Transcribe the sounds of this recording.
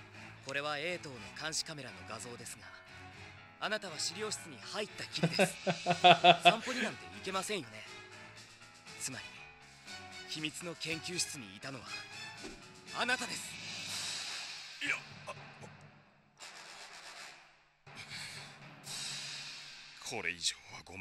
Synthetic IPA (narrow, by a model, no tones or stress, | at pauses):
ko̞ɾe̞βae̞ːt̪o̞ːno̞kãɰ̃ɕi̥kame̞ɾano̞̰ɡazo̞ːd̪e̞sɨŋa | anat̪aβ̞aɕiɾʲio̞ːɕi̥t͡sɨɲ̟ihait̪ːakʲiɾid̪e̞sɨ̥ | sãmpo̞ɲinãnt̪e̞̰ike̞masẽ̞ɰ̃jo̞ne̞ | t͡sɨmaɾʲi | çʲimʲit͡sɨno̞kẽ̞ŋkʲɨːɕi̥t͡sɨɲ̟iːt̪ano̞βa | anat̪ad̪e̞sɨ̥ | j | kʰo̞ɾḛiʑoːβa̰ɡo̰